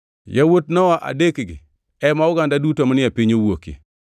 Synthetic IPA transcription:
jawot̚nɔwaʔa̰dekɡɪ̰ | ɛmaʊɡandadutomanɪapiɲowokḭ

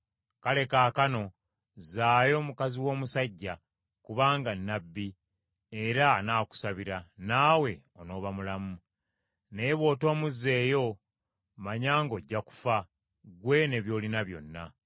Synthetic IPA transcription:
kale̞kaːkano̞ | zaːjo̞mukaziwo̞ːmusaɟːa | kuβaːŋɡanːabːi | e̞ɾaːnaːku̥saβiɾanaːwe̞ | o̞no̞ːβamulamu | neːβwo̞ːto̞ːmuzːe̞ːjo̞ | maɲaːŋɡo̞ɟːaku̥fa | ɡwe̞ne̞βjo̞ːlinaβjo̞̰nːa̰

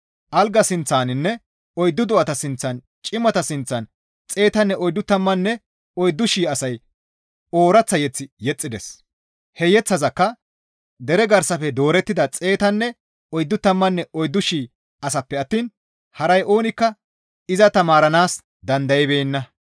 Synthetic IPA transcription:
ʔɐlɡɐsɪnt͡sːaːnɪnːɛ | ɔjd̪ːʊd̪ʊʔɐt̪ɐsɪnt͡sːɐn | t͡ʃʼɪmɐt̪ɐsɪnt͡sːɐn | t͡sʼe̞ːt̪ɐnːɛɔjd̪ːʊt̪ːɐmːɐnːɛ | ɔjd̪ːʊʃiːɐsɐj | o̞ːɾɐt͡sːɐjɛt͡sːɪjɛt͡sʼːɪd̪ɛs | hɛjɛt͡sːɐzɐkːɐ | d̪ɛɾɛɡɐɾsɐfɛd̪o̞ːɾɛt̪ːɪd̪ɐt͡sʼe̞ːt̪ɐnːɛ | ɔjd̪ːʊt̪ːɐmːɐnːɛɔjd̪ːʊʃiː | ɐsɐpːɛɐt̪ːiːn | hɐɾɐjʔoːnɪkːɐ | ɪzɐt̪ɐmaːɾɐnaːs | d̪ɐnd̪ɐjɛbeːnːɐ

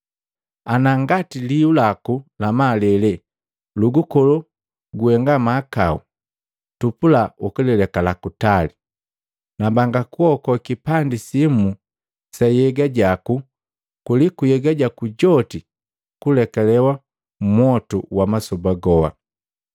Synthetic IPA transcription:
anaŋɡatiliulakulamalɛlɛ | luɡukɔlu | ɡuɛŋɡamaːkau | tupulaukilɛlɛkalakutali | nabaŋɡakuɔkɔkipandisimu | sajɛɡaɟaku | kulikujɛɡaɟakuɟɔti | kulɛkalɛwa | m̩mwɔtuwamasɔbaɡɔwa̰

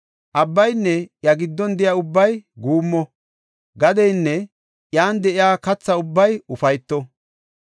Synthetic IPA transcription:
ʔɐbːɐjnːɛjɐɡɪd̪ːɔnd̪ɪjaʊbːɐjɡuːmːɔ | ɡɐd̪ɛjnːɛ | jaːnd̪ɛʔɪjaːkɐt͡sːɐʊbːɐjʊfɐjt̪ːɔ

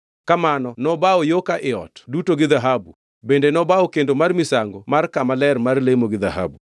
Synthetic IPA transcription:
kamanɔnɔbaojokaʔɪɔ̰tdutoɡɪðaɦabṵ | bendenɔbaɔkendomarmɪsaŋɡomarkamalɛrmarlemoɡɪða̰hɦa̰bu

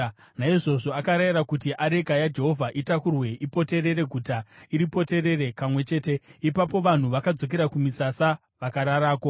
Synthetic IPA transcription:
naiʐo̞ʐo̞akaɾajiɾakutiʔaɾe̞kajad͡ʒe̞ɦo̞vʱaʔitakurwe̞ʔipo̞te̞ɾe̞ɾe̞ɡʱutaiɾipo̞te̞ɾe̞re̞kamwe̞t͡ʃe̞ːte̞ipapo̞ʋan̤uʋakad͡zo̞k̬e̞ɾakumisasa | ʋakaɾaɾaːko̞

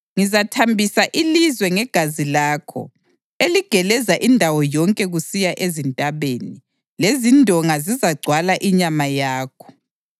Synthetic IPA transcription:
ŋizatʰambʱisaʔilizwɛŋɛɡ̥ʱazilaːkʰɔ̰ | eliɡ̥ʱɛlɛzaʔindʱawɔjɔŋkʼɛɣusijaʔezintʼaβeni | lezindʱɔŋazizaɡ͡ǀʱwalaʔiɲamajaːkʰɔ̥

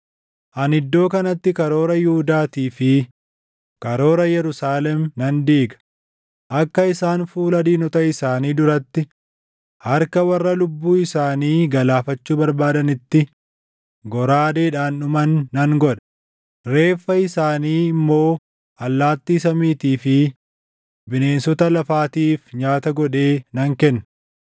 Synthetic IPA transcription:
ʔɐnɪd̪ːo̞ːkɐnɐt̪ːɪkɐɾo̞ːɾɐjɪhʊd̪aːt̪iːfɪ | kɐɾo̞ːɾɐjɛɾʊsaːlɛmnɐnd̪iːɡɐ̥ | ʔɐkːɐɪsaːnfuːlɐd̪iːnɔt̪ɐɪsaːniːd̪ʊɾɐt̪ːɪ | hɐɾkɐwɐrːɐlʊbːuːɪsaːniːɡɐlaːfɐt͡ʃːuːbɐɾbaːd̪ɐnɪt̪ːɪ | ɡɔɾaːd̪eːᶑaːnːʊmɐnːɐŋɡɔᶑɐ̥ | ɾe̞ːfːɐɪsaːniːɪmːo̞ː | ʔɐlːaːt̪ːiːsɐmiːt̪iːfɪ | bɪne̞ːnsɔt̪ɐlɐfaːt̪iːfɲaːt̪ɐɡɔᶑe̞ːnɐŋkɛnːɐ

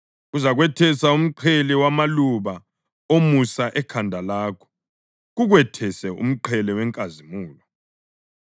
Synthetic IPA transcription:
uzaɣwɛtʰɛsaum̩ǃʰɛlɛwamaluβa | omusaʔɛkʰandʱalaːkʰɔ̥ | ɣuɣwɛtʰɛsɛṵm̩ǃʰɛlɛwɛŋkʼazimuːlɔ

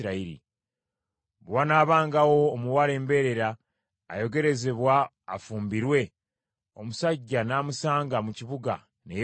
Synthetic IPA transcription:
ɾaiɾḭ | βwanaːβaːŋɡawo̞ːmuwale̞ːmbe̞ɾe̞ɾa̰ː | jo̞ɡe̞ɾe̞ze̞βwa̰ː | fuːmbiɾwe̞ | o̞musaɟːanaːmusaːŋɡamuciβuɡa̰ | nej

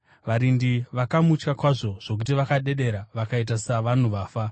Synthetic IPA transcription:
ʋaɾindiʋakamut͡ʃkakwaʐo̞ʐ̥o̞k̬utiʋakaɗe̞ɗe̞ɾaʋakait̬asaʋan̤uʋaːfa

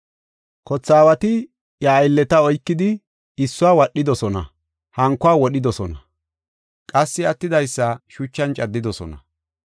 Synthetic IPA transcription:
kɔt͡sːaːwɐt̪ɪ | jɐːjlːɛt̪ɐɔjkːɪd̪ɪ | ɪsːʊaːwɐɗːɪd̪ɔsɔnɐ̰ | hɐŋkːʊaːwɔɗɪd̪ɔsɔnɐ | kʼɐsːɪɐt̪ːɪd̪ɐjsːɐʃʊt͡ʃːɐnt͡ʃʼɐd̪ːɪd̪ɔsɔ̰nɐ

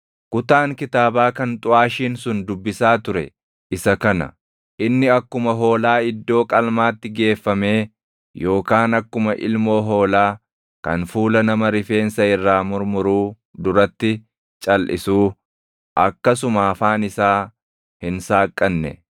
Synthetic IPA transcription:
kʊt̪aːŋkɪt̪aːbaːkɐnt̪ʼʊaːʃiːnsʊnd̪ʊbːɪsaːt̪ʊɾɛ̰ | ʔɪsɐkɐnɐ̰ | ʔɪnːɪɐkːʊmɐɦo̞ːlaːɪd̪ːo̞ːkʼɐlmaːt̪ːɪɡe̞ːfːɐme̞ː | jo̞ːkaːnɐkːʊmɐʔɪ̰lmo̞ːɦo̞ːlaː | kɐ̰nfuːlɐnɐmɐɾɪfe̞ːnsɐɪrːaːmʊɾmʊɾuː | d̪ʊɾɐt̪ːɪ | t͡ʃʼɐlʔɪ̰suː | ʔɐkːɐs̬ʊmaːfaːnɪsaː | hɪnsaːkʼːɐnːɛ̰

